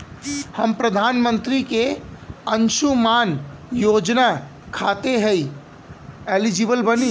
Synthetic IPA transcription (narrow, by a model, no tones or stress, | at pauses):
həmpɾəd̪ʱaːnmə̃nt̪ɾikeə̃nʃumaːnjoːd͡ʒna | kʰaːt̪eɦɛi | eːlid͡ʒɪbəlbəni